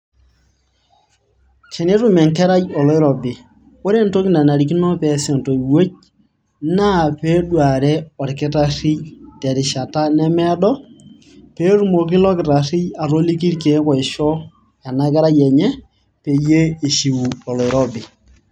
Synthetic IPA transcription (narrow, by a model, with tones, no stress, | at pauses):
t͡ʃɛ˨ne˦ɾu˦mɛ˨ŋkɛ˦ɾa˦jɔ˨lɔ˦ɪ˦ɾɔ˨bɪ˨ | o˦ɾe˦nto˦kɪ˨na˨na˨ɾi˨ki˦nɔ˦pɛ˨sɛ˨ntɔ˨i˨we˦t͡ʃ̚ | na˦˨pe˦dwa˨ɾɛ˦ɔ˨ɾkɪ˦ta˦ri˦jtɛ˨ɾɪ˨ʃa˨ta˦nɛ˦mɛ˦dɔ˦ | pe˦ɾu˦mo˨kɪ˦lɔ˦kɪ˨ɾa˨rɪ˦ja˨ɾo˦li˦k̬i˦ɾke˨˦kɔ˨ɪ˨ʃɔ˦ | a˨na˦kɛ˦ɾa˦jɛ˨ɲɛ˦ | pe˨je˦e˨ʃi˨wu˨ɔ˨lɔ˨ɪ˨ɾɔ˦bɪ˨